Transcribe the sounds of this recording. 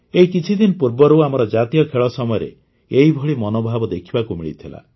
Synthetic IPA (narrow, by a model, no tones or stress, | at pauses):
eikit͡ʃʰid̪inɔpuɾbɔɾuamɔɾɔd͡ʒat̪ijɔkʰeɭɔsɔmɔjɔɾḛ | eɦibʱɔɭimɔnobʱabɔd̪ekʰibakumiɭit̪ʰila̰